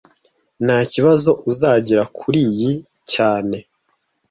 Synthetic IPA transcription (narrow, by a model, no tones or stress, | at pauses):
nhaːciβazo̞ʔuzaɟiɾakʰuɾiji | caːne̞